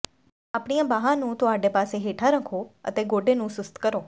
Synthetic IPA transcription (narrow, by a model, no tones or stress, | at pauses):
aːpɳ̃ijãbaːɦãnũt̪oaːɖepaːseɦeːʈʰaɾə̃kʰoə̰t̪eɡoːɖenũsʊst̪kəɾoː